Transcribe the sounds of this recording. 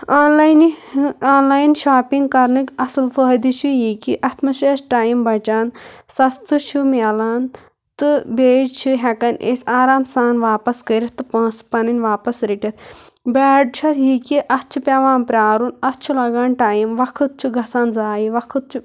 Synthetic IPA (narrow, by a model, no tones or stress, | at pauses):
aːnlajnaːnlaːjnʃaːpiŋɡ̚kɐɾnɨkɐsɨlfəːd̪it͡ʃʰujikiʔɐt̪mɐʃeːsʈaːjimbʱɐt͡ʃaːnsɐst̪ʰɨt͡ʃʰumɛlaːn | t̪ɨbeːd͡ʒt͡ʃʰuɦɛkɐnʔḛːsʲaːɾaːmsaːnʋaːpɐskəɾʲit̪ɨpɐ̃ːspɐnɐnʲʋaːpɐsɾiʈʲɐt̪̚ | baːɖ̚t͡ʃʰɐt̪jikiʔɐst͡ʃʰupʲɐʋaːnpɾʲaːɾunɐst͡ʃʰulɐɡaːnʈaːjimʋɐkʰɨt̪̚t͡ʃʰuɡʱɐsaːnzaːjiʋɐkʰɨt̪̚t͡ʃʰu